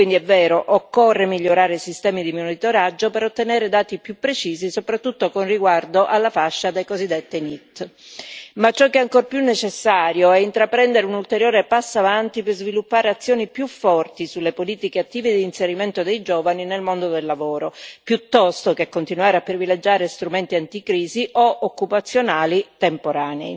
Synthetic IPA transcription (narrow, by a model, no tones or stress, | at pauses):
kwind̪iɛvːɛːɾoʔokːorːemiʎːoɾaːɾeisist̪ɛːmid̪imonit̪oɾad͡ʒːopeɾot̪ːenɛːɾed̪aːt̪ipjupːɾet͡ʃiːzisopɾat̪ːut̪ːokonriɡward̪oʔalːafaʃːad̪ejkozid̪ːet̪ːenit̪ː | mat͡ʃːɔkːeɛaŋkorpjunːet͡ʃesːaːɾjoɛint̪ɾapɾɛnd̪eɾeunult̪eɾjoːɾepasːoavant̪ipezvilupːaːɾeat̪sːjoːnipjufːɔrt̪isulːepoliːt̪ikeat̪ːiːved̪iːnseɾiment̪od̪ejd͡ʒoːvaninelmond̪od̪elːavoːɾopjut̪ːɔst̪okekːont̪inwaːɾeapːɾiviled͡ʒːaːɾest̪ɾument̪iant̪ikɾiːziʔoʔokːupat̪sːjonaːlit̪empoɾaːnei